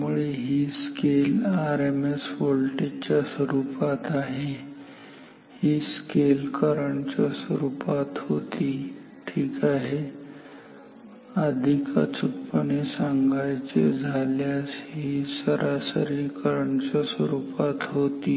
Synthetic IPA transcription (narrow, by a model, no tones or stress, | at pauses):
muɭeɦiːskelaɾemesʋolʈet͡ɕjaswəɾupat̪aɦe | hiːskelkəɾəɳt͡ɕaswəɾupat̪hot̪iː | ʈʰiːkaɦe | əd̪ʱikə̰t͡sʰupːənesãŋɡʱajt͡sḛd͡zʱaljasɦiːsəɾʔasəɾikəɾəɳt͡ɕaswəɾupat̪ɦot̪iː